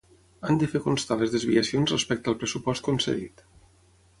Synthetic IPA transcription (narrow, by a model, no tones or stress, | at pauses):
and̪əfekonst̪aləzðəzβiəsionzrespɛk̚t̪əlˠpɾəsupɔst̪̚konsḛðḭt̪